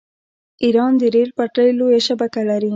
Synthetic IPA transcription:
iɾɑnd̪əɾeɾpaʈəjlojaʃabakalaɾi

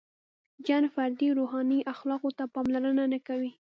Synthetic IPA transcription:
d͡ʒɑnfaɾd̪iɾoɦɑniʔaxlɑqot̪apɑmlaɾənanakawi

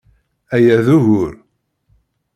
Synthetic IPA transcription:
æjæðuʝʊɾ

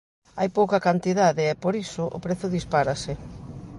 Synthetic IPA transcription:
a̰jpowkɐkant̪iðaðɪɛpoɾisʊʔʊ̰pɾeθʊðispaɾasɪ

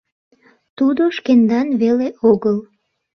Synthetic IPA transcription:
t̪ud̪oʃkend̪ɑnβeleʔoɣəl

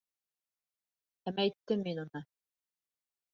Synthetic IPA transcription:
æmæjt̪ːɘmːinunɤ

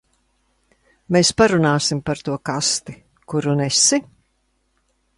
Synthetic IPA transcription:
meːspaɾunaːsimpaɾt̪uɔkast̪i | kuɾunɛsi

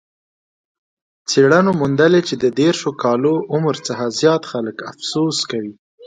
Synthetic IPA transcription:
t͡seɽanomʊnd̪alet͡ʃed̪əd̪eɾʃokɑloʔʊmɾt͡səxazjɑt̪xaləkafsoskawi

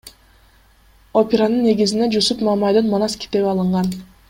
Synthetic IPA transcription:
opʲeɾanɯnːe̞ɡizind̪ed͡ʒusupmamajd̪ɯnmanɑskʲi̥t̪e̞βɑlˠɯɴʁɑn

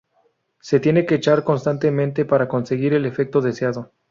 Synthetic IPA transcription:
se̞t̪je̞ne̞ke̞ːt͡ʃaɾko̞nst̪ant̪e̞mẽnt̪e̞paɾako̞nse̞ɣiɾe̞le̞fe̞k̚t̪o̞ðe̞sjaðo̞

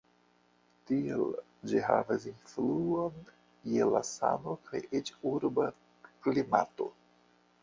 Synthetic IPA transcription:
tiel | d͡ʒiɦa̰vasinfluon | jela̰sa̰nokʰajit͡ʃuɾba | klima̰to̞̰

